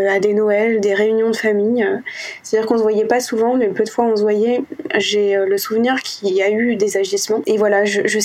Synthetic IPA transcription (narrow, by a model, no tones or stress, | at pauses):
ad̪enɔɛld̪eʁeynjɔ̃d̪əfamijse̥t̪ad̪iʁkɔ̃svwajɛpasuvɑ̃mɛpød̪əfwaɔ̃s̬vwajɛʒeøləsuvniʁkʲʰiayd̪ezaʒismɑ̃evwalaʒəʒə